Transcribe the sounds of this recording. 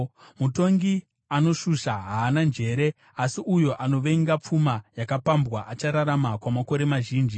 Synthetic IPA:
muto̞ŋɡi | ano̞ʃuʃaɦaːnand͡ʒe̞ɾe | asiujo̞ʔano̞ʋe̞ŋɡap͡fumajakapambwaʔat͡ʃaɾaɾamakwamako̞ɾe̞maʒiːnd͡ʒi

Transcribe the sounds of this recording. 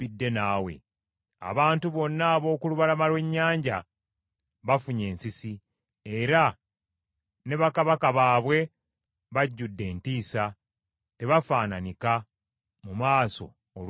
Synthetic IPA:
idːe̞naːwe̞̰ | a̰βaːntuβo̞nːaːβo̞ːkuluβalamalwe̞ɲːaːɲɟa | βafuɲe̞ːnsisi | e̞ɾa | ne̞βakaβakaβaːβwe̞ | βaɟːudːe̞ːntiːsa | te̞βafaːnanika | mumaːso̞̰ | ol

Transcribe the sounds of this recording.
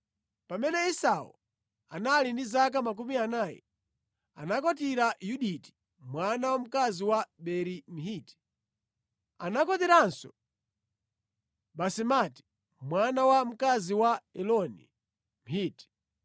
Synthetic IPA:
pamɛnɛisawṵ | a̰nalindizak̬amak̬umianaːjɛ̰ | a̰nakɔtiɾajuɗiti̥ | mwanawam̩kaziwaɓɛɾim̩hiːti̥ | anakɔtiɾansɔ̰ | ɓasimati̥ | mwanawam̩kaziwaɛlɔnḭ | m̩hiːti̥

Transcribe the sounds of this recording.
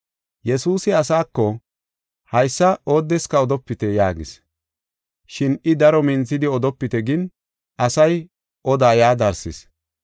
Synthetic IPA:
jɛsuːsɪɐsaːkːɔ | hɐjsːɐoːd̪ːɛskɐɔd̪ɔpːɪt̪ɛjaːɡɪ̰s | ʃɪnɪd̪ɐɾɔmɪnt͡sːɪd̪ɪɔd̪ɔpːɪt̪ɛɡɪn | ʔɐsɐj | ʔɔd̪aːjaːd̪ɐɾsɪs

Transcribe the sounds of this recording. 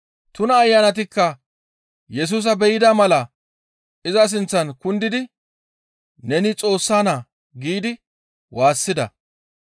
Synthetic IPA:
t̪ʊnɐːjːɐnɐt̪̬ɪkːɐ | jɛs̬uːs̬ɐbɛjɪd̪ɐmɐlɐ | ɪzɐs̬ɪnt͡sːɐnkʊnd̪ɪd̪ɪ | nɛnɪt͡sʼo̞ːsːaːna | ɡiːd̪ɪ | waːsːɪd̪ɐ̰

